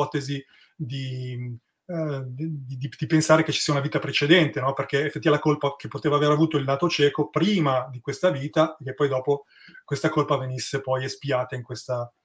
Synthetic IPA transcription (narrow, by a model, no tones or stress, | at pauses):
ɔːt̪ezi | d̪i | d̪id̪id̪ipensaːɾek̟et͡ʃːi̥siːaunaviːt̪apɾet͡ʃed̪ɛnt̪enɔperk̟eefet̪ːivalakolpakepːot̪eːvaːveːɾavuːt̪oilnaːt̪ot͡ʃɛːkopɾiːmad̪ikwest̪aviːt̪aek̟ːepːɔjd̪ɔːpo | kwest̪akolpavenisːepɔjespiaːt̪aiŋkwest̪a